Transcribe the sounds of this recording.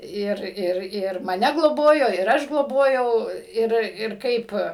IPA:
ˈɪr ˈɪr ˈɪr mɐˈnʲɛ ɡlˠoːˈboːjoː ɪr ˈɐʃ ɡlˠoːˈboːjɛʊ ˈɪr ɪr ˈkɐɪp

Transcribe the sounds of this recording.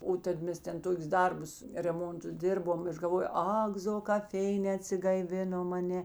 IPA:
ˈoː tɐt ˈmʲɛs ˈtʲɛn ˈtoːkʲʊs ˈdɐrbʊs rʲɛˈmoːntʊs ˈdʲeːrboːm ˈɐʃ ɡɐlˠˈʋoːjoː ˈɐk zoː kɐp ˈfʲɛɪnʲɛː ɐtʲsʲɪɡɐɪˈʋʲɪnoːm ɐ ˈnʲɛ

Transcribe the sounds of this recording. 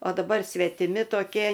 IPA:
oː dɐˈbɐr sʲʋʲɛtʲɪˈmʲɪ toːˈkʲiɛ

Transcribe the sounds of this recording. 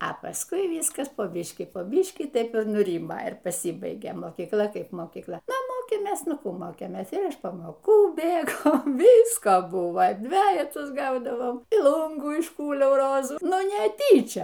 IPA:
ɐ pɐˈskʊɪ ˈʋʲiːskɐs poː ˈbʲiːʃʲkʲiː poː ˈbʲiːʃʲkʲiː ˈtɐɪp ɪr nʊˈrʲiːmoː ɪr pɐˈsʲiːbɐɪɡʲeː moːkʲiːkˈlˠɐ ˈkɐɪp moːkʲiːkˈlˠɐ ˈnʊ ˈmoːkʲeːmʲeːs ˈnʊ ˈkuː ˈmoːkʲeːmʲeːs ɪr ɪʃ pɐmoːˈkuː ˈbʲeːɡoː ˈʋʲiːskɐ ˈbʊʋɐ ˈdʲʋʲæːjɛtʊs ˈɡɐʊdɐʋoːm iː ˈlˠuːŋɡuː ɪʃˈkuːlʲɛʊ ˈroːzuː ˈnʊ nʲɛˈtʲiːt͡ʃʲɛ

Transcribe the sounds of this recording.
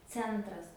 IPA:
ˈt͡sʲɛntrɐs

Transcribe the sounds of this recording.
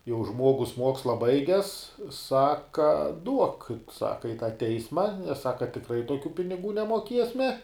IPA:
jɛʊ ˈʒmuɔɡʊs ˈmuɔkslˠɐ ˈbɐɪɡʲɛs ˈsɑːkɐ duɔk ˈsɑːkɐ ɪ tɑː ˈtʲɛɪsmɐ nʲɛs ˈsɑːkɐ tʲɪkˈrɐɪ toːˈkʲuː pʲɪnʲɪˈɡuː nʲɛmoːˈkʲiɛsʲmʲɛ

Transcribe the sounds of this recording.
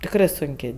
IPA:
tʲɪkˈrɜ sʊŋʲˈkʲeː

